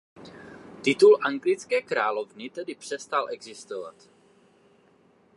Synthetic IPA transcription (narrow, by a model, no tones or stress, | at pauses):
t̪ɪt̪ulʔaŋɡlɪt͡skɛːkɾaːlovnɪt̪ɛdɪpr̝̥ɛst̪alʔɛɡzɪst̪ova̰t̪